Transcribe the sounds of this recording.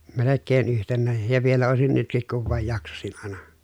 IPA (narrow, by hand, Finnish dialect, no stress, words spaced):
melekːeːn yhtenːæːj jɑ ʋielæ oˑesin nytkik kuʋ ʋɑˑej jɑksɑsin ɑˑenɑ